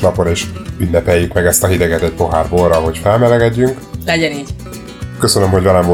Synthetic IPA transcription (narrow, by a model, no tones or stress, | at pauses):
nɒpoɾeːʃynːɛpɛjːykmɛɡɛst̪ɒɦid̪ɛɡɛt̪ɛc̚po̞ɦaːrboːlɾɒɦo̞cfɛlmɛlɛɡɛɟːyŋk | lɛɟɛniːɟ | kø̞sønø̞mho̞ɟvɛlɛɱvo